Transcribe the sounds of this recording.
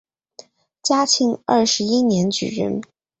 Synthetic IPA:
t͡ɕja˥t͡ɕʰi˧˥ŋɐ̰˥˩ʂɻ̩˧˥i˥njɛ˧˥nt͡ɕy̰˨˩ɻə̰˧˥n

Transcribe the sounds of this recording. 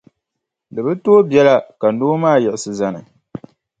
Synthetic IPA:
lɨ˨bɨ˦toː˦bjɛ˦la˦ka˨noː˦maː˦˨jɛ˨ɪ˨sɨ˨za˨nɨ̰˨

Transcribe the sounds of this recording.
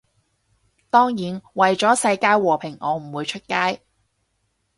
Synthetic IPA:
t̪ɔː˥ŋjiː˨˥nwɐ˨jt͡ʃɔː˨˥sɐ˧jkaː˥jwɔː˨˩pʰɪ˨˩ŋʔɔː˨˧m̩˨˩wuː˨˧jt͡ʃʰɵ˥t̚kaː˥j

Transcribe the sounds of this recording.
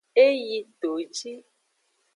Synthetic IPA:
e˦ji˧t̪o˨t͡ʃi˦

